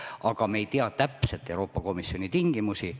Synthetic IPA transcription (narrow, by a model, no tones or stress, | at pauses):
ɑkɑme̞jt̪iɑt̪æpset̪ːˑewɾo̞ːpːɑko̞misːo̞nit̪iŋɡ̥imusi